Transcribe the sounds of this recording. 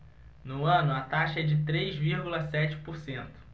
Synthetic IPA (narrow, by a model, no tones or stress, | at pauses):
nʊɐ̃nʊɐt̪aʃɐɛd͡ʒɪt̪ɾejzviɾɡulɐsɛt͡ʃɪ̥poɾsẽnt̪ʊ̥